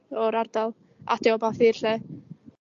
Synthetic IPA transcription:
ɔɾardalˠ | a̰dɪɔbaθirɬɛ

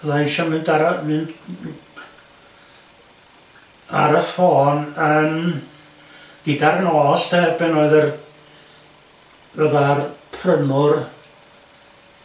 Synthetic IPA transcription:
laʃɔmɨndaɾamɨnd | a̰ɾəfoːnəm | ɡ̥idarnɔːstʰɛbɛnoːɨðər | vəðarpʰrəmʊr

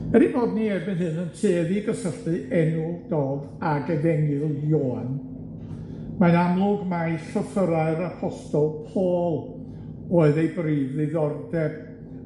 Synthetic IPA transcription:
b̥ɛɾiboːdniɛbɨnɦɨnəntʰeːðiɡəsəɬɨʔɛnʊlˠd̥oːd | aɡɛvɛŋɨlˠjoːn | manamlˠʊɡmajɬəfəɾaɨɾapʰɔstɔlˠpʰoːlˠ | oːɨðejbriːvðɨðɔrdɛb̥

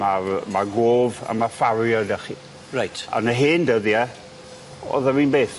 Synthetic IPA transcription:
marmaɡoːva̰mafaɾjɔdaχḭ | rajtʰa̰nəɦeːndəðiɛ | ɔ̰ðawiːnbeːθ

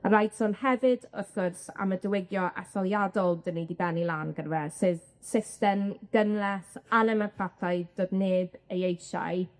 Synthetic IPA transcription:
aɾajd̥sɔnhɛvɪdəθɡ̥ɔrsa̰mədəwɪɡjɔʔa̰θɔlˠjadɔlˠdənidibɛnilˠaːnɡənvɛsɨð | sɪstɛnɡ̥ənlɛsanɛmapʰratʰajd̥oːdneːbəjejʃa̰j

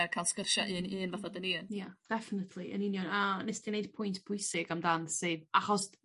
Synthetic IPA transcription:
kʰajlˠskərʃaʔɨːnɨːnvaθadəniːnjad̥ɛfənətʰlˠiʔə̰ninjɔnənesd̥inejd̥̚pʰʊjntʰb̥ʰʊjsɪɡamdansɨðaχɔs

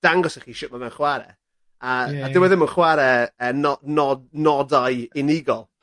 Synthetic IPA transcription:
d̥aŋɡɔsaχiʃʊʔmavɛwnχwaɾɛ̰ | aadɪwɛðɪmənχwaɾɛəːnɔnɔdnɔdajɪnɪɡɔlˠ

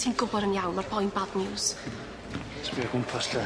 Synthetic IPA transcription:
tʰiːnɡʊbɔɾəmjawnɔrb̥ʰɔjnbadnɪws | tʰbiaɡʊmpʰasɬɛ

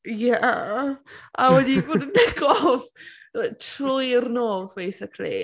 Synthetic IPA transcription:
ja | ʔawɛdiboːdənɛɡɔv | atʰrʊjrnoːðbejsɪkʰlḭ

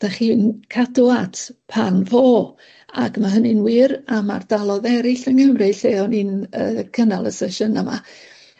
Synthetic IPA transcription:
d̥aχinkʰaduatʰpʰanvoː | a̰ɡmaɦənɪnwɪɾama̰rd̥alˠɔðɛɾɪɬənɡəmrɪɬeːɔniːnə̰kʰənalˠəsɛʃənəma̰

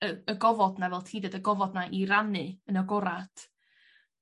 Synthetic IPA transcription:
əəɡɔvɔdnavɛlˠtʰiːdɛdəɡɔvɔdnaʔiɾanɨənəɡɔɾatʰ

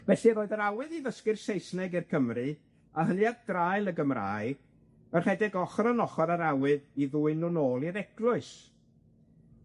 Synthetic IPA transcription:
vɛɬiroːɨðəɾawɨðiðəskɨrsejsnɛɡirkʰəmrɨ | ahənjaɡdrajlˠəɡəmra̰ːɨ | ərhɛdɪɡɔχɔrənɔχɔɾaɾawɨðiðuːɨnʊnoːlˠiɾɛɡlˠʊɨs

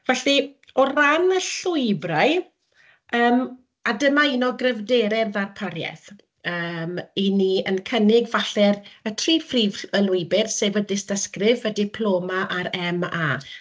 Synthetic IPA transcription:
vɛɬiɔranəɬʊɨbraj | əːm | adəmainɔɡrɛvdeːɾɛðarpʰaɾjɛ̰θ | əːminiənkʰənɪɡvaɬɛrətʰriːfriːvəlʊɨbɪrseːvədɪstəskrɪvədɪpʰlˠoːmaʔaɾɛmaː

